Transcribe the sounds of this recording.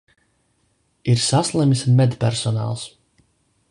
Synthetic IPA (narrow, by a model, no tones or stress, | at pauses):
iɾsaslˠɛmismɛd̪pʲɛɾsɔna̰ːlˠs